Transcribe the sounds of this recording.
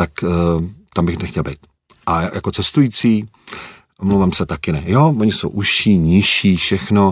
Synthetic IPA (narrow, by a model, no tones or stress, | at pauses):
t̪ak | t̪ambɪxnɛxcɛlbɛjt̪ | ʔaja̰ko̞t͡sɛst̪ujiːt͡siː | mlowvaːmsɛt̪akɪnɛjooɲɪso̰wʔuʃiːɲɪʃiːfʃɛxno̞